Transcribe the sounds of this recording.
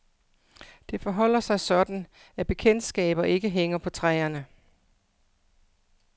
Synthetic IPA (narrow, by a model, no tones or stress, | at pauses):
d̥e̝fɒ̽ɦɒ̽l̰ɐsɑ̈ɪsɒ̽d̥n̩ | æb̥e̝kʰen̰d̥sɡ̥ɛ̰ːb̥ɐʔe̝ɡ̥əɦeŋ̰ɐpʰɒ̽t͡sʰʁɛːɐnə